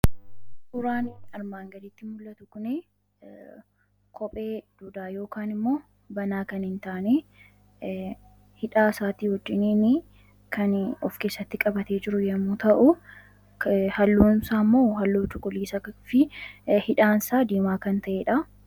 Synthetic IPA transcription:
sʊɾaːnɐɾmaːŋɡɐlɪt̪ːɪmʊlːɐt̪ʊkʊne | kʰɔpʼeːd̪̥uːd̪aːjo̞ːkaːnɪmːo̞ː | bɐnaːkɐnhɪnt̪aːne | hɪᶑaːsaːt̪iːhɔd͡ʒːɪneːnɪ | kʰɐnɔfke̞ːsːɐt̪ːɪkʼɐbɐt̪eːd͡ʒɪɾʊjɐmːuːt̪ɐʔʊ | hɐlːuːnsaːmːoːɦɐlːoːt͡ʃʼʊkʼʊliːsɐfɪhɪᶑaːnsaːd̪iːmaːkɐnt̪ɐʔeːᶑɐ

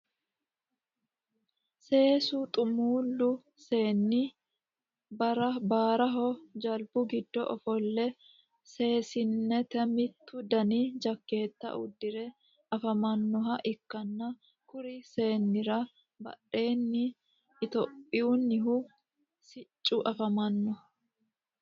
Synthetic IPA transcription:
se̞ːsʊt̪ʼʊmuːlːʊ | se̞ːnːɪ | bɐɾɐbaːɾɐɦɔd͡ʒɐlbʊɡɪd̪ːɔʔɔfɔlːɛ | se̞ːsɪnːɛt̪ɛmɪt̪ːʊd̪ɐnid͡ʒɐkːe̞ːt̪ːɐ̰ʔʊ̰d̪ːɪɾɛ | ɐfɐmɐnːɔɦɐʔɪkːɐnːɐ | kʊɾɪse̞ːnːɪɾɐ | bɐ̰ᶑe̞ːnːɪː | t̪ɔpʼːɪjunːɪɦʊ | sɪt͡ʃʼːʊʔɐfɐmɐnːɔ

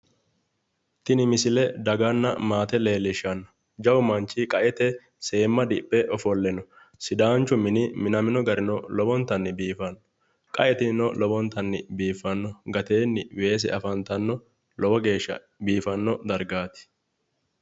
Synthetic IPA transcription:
t̪ɪnɪmɪsɪlɛd̪ɐɡɐnːɐ̰maːt̪ɛle̞ːlːɪʃɐnːɐ̥ | d͡ʒɐwʊmɐnt͡ʃːɪkʼɐʔɛt̪ɛ | se̞ːmːɐd̪ɪpʼːɛʔɔfɔlːɛnɔ | sɪd̪aːnt͡ʃːʊmɪnɪmɪnɐmɪnɔɡɐɾɪnɔlɔbɔnt̪ɐnːɪbiːfɐnːɔ | kʼɐ̰ʔɛt̪ɪnɔlɔbɔnt̪ɐnːɪbiːfːɐnːɔɡɐt̪eːnːɪwe̞ːs̬ɛ̰ɐfɐnt̪ɐnːɔ | lɔbɔɡe̞ːʃːɐ̰ | biːfɐnːɔd̪ɐɾɡaːt̪ɪ̥

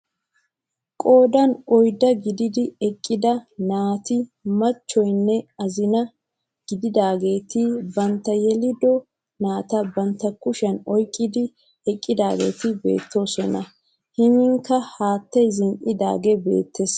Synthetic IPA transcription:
kʼo̞ːd̪ɐnɔjd̪ɐɡɪd̪ɪd̪ɪɛkʼːɪd̪ɐnaːt̪ɪmɐt͡ʃːɔjnːɛɐzɪnɐ | ɡ̥ɪd̪ɪd̪aːɡe̞ːt̪ɪbɐnt̪ːɐjɛlɪd̪ɔ | naːt̪ɐbɐnt̪ːɐkʊʃɐnɔjkʼːɪd̪ɪ | ɛkʼːɪd̪aːɡe̞̰ːt̪ɪbe̞̰ːt̪ʰːo̞sɛnɐ̰ | hɪnɪŋkːɐhaːt̪ːɐjzɪŋʔɪd̪a̰ːɡɛbḛːt̪ːes

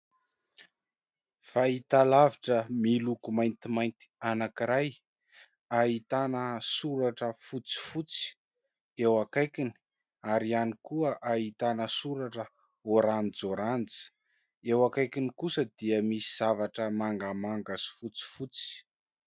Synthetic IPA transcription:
fait̪alaviʈ͡ʂəmilukumajnt̪imajnt̪i̥anakiɾaj | aɦit̪anəsuɾaʈ͡ʂəfut͡si̥fut͡si̥ | ewakajkini̥ | aɾianikuəʔaɦit̪anəsuɾaʈ͡ʂə | oɾanid͡zoɾant͡si̥ | ewakajkinikusəd̪iəmisiz̥avaʈ͡ʂəmaŋɡamaŋɡasi̥fut͡si̥fut͡si̥

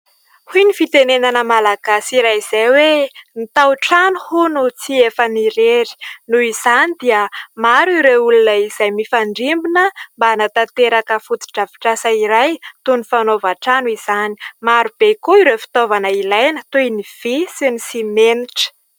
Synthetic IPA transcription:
hujnifit̪enenanəmalaɡ̥asiɾajz̥ajwenit̪awʈ͡ʂanuhunut͡siefəniɾeɾi̥nuiz̥anid̪iəmaɾiɾeulunəiz̥ajmifaɳɖ͡ʐimbinəmbaːnat̪at̪eɾakəfut͡si̥ʈ͡ʂavi̥ʈ͡ʂasaiɾajt̪unufanovaʈ͡ʂanuiz̥ani̥maɾub̥ekoiɾefi̥t̪ovanəilajnət̪ujniv̥isinisimeniʈ͡ʂə̥

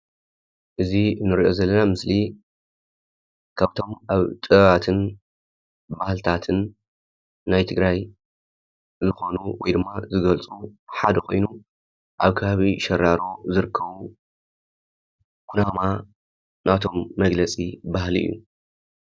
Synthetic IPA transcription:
ʔɨziɨnːɨɾiʔo̞zɐlːɐnamɨsli | kʰaβt̪ʰo̞mʔaβt̪ʼɨat̪ʰɨn | bahlt̪ʰat̪ʰɨnː | ajt̪ʰɨɡɾaj | zɨxo̞nuwɔjd̪ɨmːazɨɡɐlt͡sʼuħad̪ɐkʰo̞jnu | ʔaβkʰɐβaβiʃɐɾːaɾo̞zɨɾɨkʰːɐβu | kʰunama | nʔat̪ʰo̞mːɐɡlɐt͡sʼibahlḭʔjːṵ

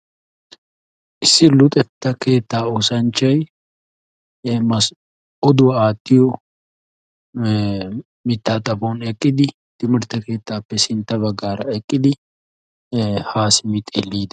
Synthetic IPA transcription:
ʔɪsːɪlʊt̪ʼɛt̪ːɐke̞ːt̪ːaːoːsɐnt͡ʃːɐj | mɐs | ɔd̪ʊwɐaːt̪ːɪjɔ | mɪt̪ːaːt̪ʼɐbonɛkʼːɪd̪ɪ | t̪ɪmɪɾt̪ːɐke̞ːt̪ːaːpːɛsɪnt̪ːɐβɐɡːaːɾɐɛkʼːɪd̪ɪ | haːsmɪt̪ʼelːiːd̪ɐ̥

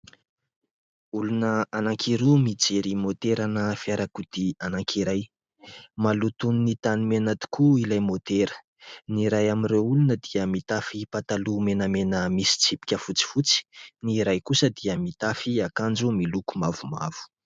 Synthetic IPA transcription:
ulunəanaŋkʰiɾumid͡zeɾimot̪eɾanəfiaɾakud̪̥ianaŋkʰiɾaj | malut̪uninit̪animenat̪i̥kʰuilajmot̪eɾə̥ | niɾajaminɾewulunəd̪iəmit̪afipat̪alumenəmenəmisi̥t͡sipi̥kʲəfut͡si̥fut͡si̥niɾajkusəd̪iəmit̪afiakand͡zumilukumavuma̰v̥u̥

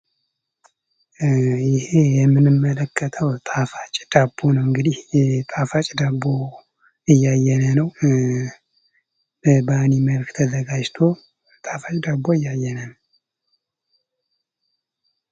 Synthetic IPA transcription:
jɪhe̞jɛmːɨnɨmːələkʰːət̪ʰəwt̪ʼafat͡ʃʼd̪̥abːonəwɨŋɡɨd̪iht̪ʼafat͡ʃʼd̪abːo | ɨjːajːɛnənəw | bəbaniməlkt̪ʰəzəɡad͡ʒt̪ʰo̞ | t̪ʼafat͡ʃʼd̪abːoɨjːajːɛnənəw

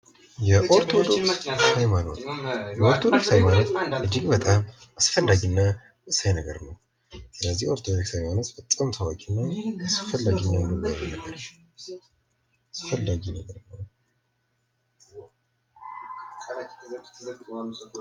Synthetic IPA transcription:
jɛʔoɾt̪ʰod̪o̞ksajmano̰t̪jɛoɾt̪ʰod̪oksajmanot̪ɨd͡ʒɪɡbət̪ʼam | asfəlːaɡinːa | ɨsajnəɡə̰ɾnəw | sɨləzːihoɾt̪ʰod̪oksajmanət̪fət̪ʼːamt̪ʰawakʼinːaasfəlːaɡinːanɨβajnəɡəɾ | asfəlːaɡinəɡəɾnəw

